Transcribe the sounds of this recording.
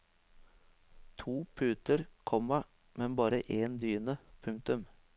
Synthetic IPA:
t̪ʰuːpʰʉːt̪əɾkʰɔmɑ | mɛnbɑːɾəʔeːnd̪yːnəpʰʉŋk̚t̪ʉm

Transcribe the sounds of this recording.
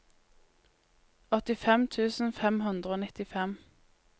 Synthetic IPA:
ɔt̪ɪfɛmt̪ʰʉːsn̩fɛmɦʉnd̪ʁəoːnɪt̪ɪfɛm

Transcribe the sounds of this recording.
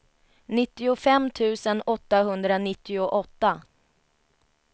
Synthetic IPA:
nɪt̪ːɪʊfɛmːt̪ʰʉ̟ːsənɔt̪ːaɦɵnd̪ɾanɪt̪ːɪʊʔɔt̪ːa

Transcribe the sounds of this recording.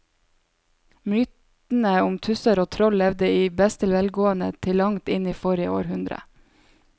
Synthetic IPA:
mʏt̪ | n̩əʊmt̪ʰʉsəɾoːt̪ʰɾɔllɛʋd̪əiːbɛst̪ʰɪlʋɛlɡoːənə̰t̪ʰɪlːɑŋt̪ɪniːfɔɾəo̰ːɾhʉnd̪ɾə̰

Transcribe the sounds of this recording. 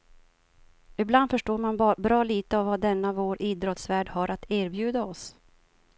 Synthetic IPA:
ɪbland̪fœʂʈoːɾmanbɾɑːliːt̪əavːad̪ɛnːavoːɾʔiːd̪ɾɔt̪svæːɖhaɾʔat̪ʰæːɾbjʉ̟ːd̪aɔs

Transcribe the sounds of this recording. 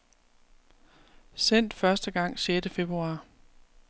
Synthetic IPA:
sen̰d̥fɶɐsd̥əɡ̥ɑ̈ŋ̰ɕjeːd̥əfe̝b̥ʁuɑ̈ː

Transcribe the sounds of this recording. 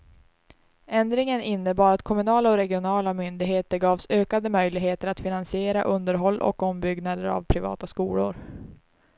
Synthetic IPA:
ɛnd̪ɾɪŋənɪnːəbɑːɾat̪kʰɔmɵnɑːlaɔɾɛɡɪʊnɑːlamʏnd̪ɪɡɦeːt̪əɾɡɑːvsøːkad̪əmœjlɪɡɦeːt̪əɾat̪fɪnansɪeːɾaʔɵnd̪əɾɦɔlːʔɔ̰kɔmbʏɡnad̪əɾa̰vpʰɾɪvɑ̰ːt̪askuːlʊ̰ɾ

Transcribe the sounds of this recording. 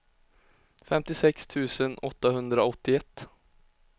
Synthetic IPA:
fɛmt̪ɪsɛkst̪ʰʉ̟ːsənɔt̪ːahɵnd̪ɾaɔt̪ːɪɛt̪ː

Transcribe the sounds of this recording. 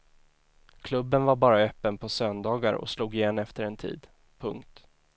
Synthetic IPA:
kʰlɵbːənvaɾbɑːɾaœːpːənpʰɔsœnd̪ɑːɡaɾɔ̰sluːɡɪjeːnɛft̪əɾɛnt̪ʰḭːd̪ | pʰɵ̰ŋkt̪

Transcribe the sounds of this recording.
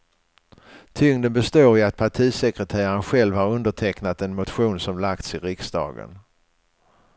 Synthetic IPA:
t̪ʰʏŋd̪ənbɛst̪oːɾɪat̪̚pʰaʈʰiːsɛkɾət̪ʰæːɾaɾənɧɛlvhaɾɵnd̪əʈʰɛknat̪ɛnmʊt̪ɧuːnsɔmlak̚t̪sɪɾɪksd̪ɑ̰ːɡə̰n

